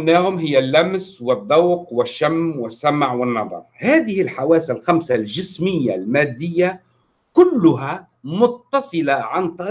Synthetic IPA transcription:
naːhʊmɦɪjːalːamswɪðˤːɑwqwɪʃːamːwɪsːamʕwɪnːɑðˤɑ̰ɾˤhaːðɪhɪlħawaːsalxamsald͡ʒɪsmɪjːalmaːd̪ːɪjːa | kʊlːʊɦa | mʊt̪ːɑsˤɨlaʕant̪ˤɑ

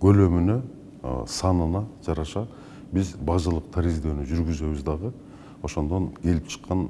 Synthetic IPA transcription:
ɡø̞lø̞mynø̞̰ | sɑnɯnɑd͡ʒɑɾɑʃɑ | bizbɑʒɯlˠɯqt̪ʰaɾizd̪øːnyd͡ʒyɾɡyzø̞βyzd̪ɑʁɯ | o̞ʃo̞nd̪o̞nkʰʲe̞lip̚t͡ʃʰə̥qːɑn

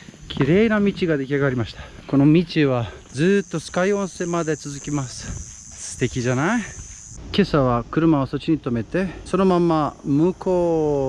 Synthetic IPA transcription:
kʲʰiɾe̞ːnamʲit͡ɕiɡad̪e̞kʲiaɡaɾʲimaɕi̥t̪ḁko̞nomʲit͡ɕiβa | d͡zɨːt̪ːo̞sɨ̥kaiõ̞ñse̞mad̪e̞t͡sɨzɨkʲimasɨ̥ | sɨ̥t̪e̞kʲiʑanai | ke̞saβakɯ̟ɾɯ̟maoso̞t͡ɕiɲ̟it̪o̞me̞t̪e̞so̞no̞mãmːamɯ̟kʰoː

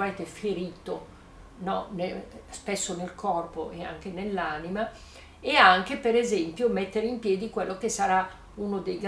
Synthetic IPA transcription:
ment̪efeɾiːt̪o | nɔnespesːonelkʰɔrpoʔea̰ŋk̟enelːanima | eaŋkepeɾezɛmpjomɛt̪ːeɾeimpjɛːd̪ikwelːokesaɾa | unod̪ejɡ

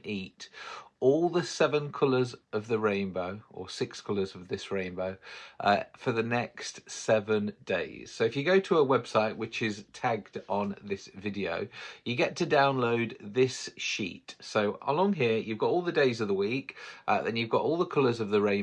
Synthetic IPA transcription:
ʔiˑtɔlˠðəsɛvə̃nkʰʊləzəvðəɹẽɪ̃nboʊə̰sɪkskʰʌləzəvðɪsɹẽɪ̃nbəʊʔʌ̰fəðənɛkstsɛvə̃ndeɪz̥soʊɨfjəɡoʊtʰəəwɛb̥saɪʔwɪt͡ʃɪz̥tʰaɡdn̩ðɪsvɪdiə̰ʊjəɡɛtʰədãʊ̃nloʊd̪̚ðɪsʃḭˑtsoʊʔə̰lɒ̃ŋɦɪəjɨvɡɒtɔlˠðədeɪzəvðəwiˑkʔəðə̰̃njɨvɡɒtɔlˠðəkʰʊləzəvðəɹẽɪ̃

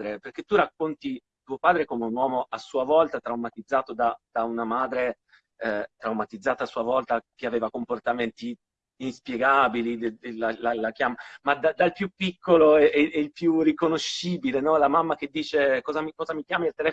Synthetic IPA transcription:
ɾeperk̟et̪ːurakːont̪i | t̪uːopaːd̪ɾekomeunwɔːmoasːuːavɔlt̪at̪ɾawmat̪id̪zːaːt̪od̪ad̪̥aunamaːd̪ɾe | t̪ɾawmat̪id̪zːaːt̪aːsːuːavɔlt̪ak̟eaveːvakomport̪ament̪i | inspjeɡaːbilid̪ed̪elalalakjaːmamːad̪ad̪alpjupːikːoloɛɛɛilpjurikonoʃiːbilenɔlamamːak̟ed̪ːiːt͡ʃekɔːzamikɔːzamik̟jaːmailt̪elɛ

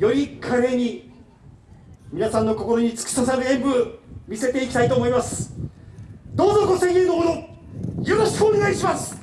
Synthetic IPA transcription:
jo̞ɾʲikʰaɾeɲ̟i | mʲinasãnːo̞ko̞ko̞ɾo̞ɲ̟it͡sɨ̥kɯ̥sasaɾɯẽ̞mbɯ̟mʲise̞t̪e̞ikʲit̪ait̪o̞ːmo̞imasɨ̥ | d̪o̞ːzokosẽnjɯːd̪oːono | joɾo̞ɕkɯoneɡaiɕimasɨ̥

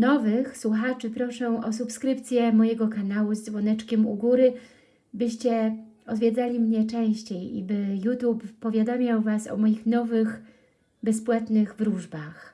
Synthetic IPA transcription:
nɔvɘxswuxat͡ʂɘpɾɔʂɛ̃ʔɔsupskɾɘp̚t̪sʲjɛmɔjɛɡɔkanawuzd̪zvɔnɛt͡ʂkʲɛmṵɡuɾɘ | bɘɕt͡ɕɛɔd̪vʲjed̪zalʲimɲɛt͡ʂɛ̃w̃ɕt͡ɕejḭbɘjut̪jupːɔvʲjad̪amʲjawvasɔ̰mɔjixnɔvɘx | bɛspwat̪nɘɣvɾuʐbax

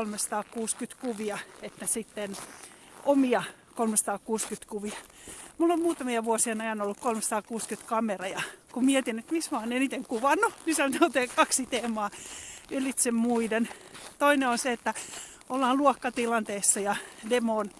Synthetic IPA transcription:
lmesɑ̥t̪ɑːkkuːskyt̪kuʋiɑet̪ːæsit̪ːen | omiɑ | kolmesɑt̪ɑːkkuːskyt̪kuʋiɑ | mulːommuːt̪ɑmiɑʋuosienɑjɑnolːukkolmesɑ̥t̪ɑːkuːskyt̪kɑmerɑjɑkummiet̪inːet̪mismɑːnenit̪eŋkuʋɑnːunisɑnot̪eːkkɑksit̪eːmɑːelit̪semmuident̪oineonseet̪ːæ | ʔolːɑːlluɔkːɑt̪ilɑnt̪eːsːɑjɑdemoːn

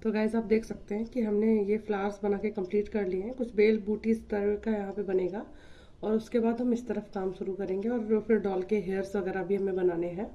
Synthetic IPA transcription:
t̪oːɡaːɪzaːp̚d̪eːkʰsɐk̚t̪eɦɛ̃kiɦɐmnejeflaːɾsbɐnaːkekɐ̃mpliːʈkɐɾlieɦɛ̃kʊt͡ʃʰbeːlbuːʈizt̪ɐɾkajɐɦãpebɐneːɡaː | ɔːɾʊskebaːd̪ɦɐmɪst̪ɐɾəfkaːmʃʊɾukɐɾẽːŋɡeɔːɾːoːfeɾɖɔːlkeɦeːɾsʋɐɣɛːɾabʱiɦɐmẽbɐnaːneɦɛ̃ː

